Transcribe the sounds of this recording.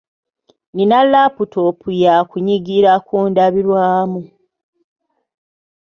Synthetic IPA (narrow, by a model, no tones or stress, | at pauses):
ninalːaputopʰujakuɲiɡiɾakuːndaβilwaːmu